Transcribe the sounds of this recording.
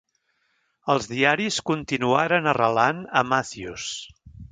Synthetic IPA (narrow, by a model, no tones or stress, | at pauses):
əlˠzðiaɾiskunt̪inuaɾənərəlanəmaθius